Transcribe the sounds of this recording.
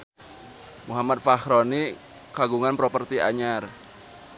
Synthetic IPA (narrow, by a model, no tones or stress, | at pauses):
muɦamat̪̚faxɾoni | kaɡuŋanpɾopərt̪ia̰ɲar